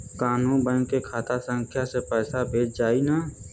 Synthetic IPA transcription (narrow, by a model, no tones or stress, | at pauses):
kaːnũːnbə̃nkekʰaːt̪asə̃ŋkʰjasepɛːsabʱeːt͡ʃd͡ʒaːina